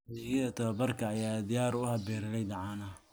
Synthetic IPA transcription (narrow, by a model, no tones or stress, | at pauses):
liɣɐðɐt̪ʰɐβɐbɐrkʰɐːjaːd̪ɪjaːɾʊhɐbɛːɾɪlɛjd̪ɑʕaːnɐ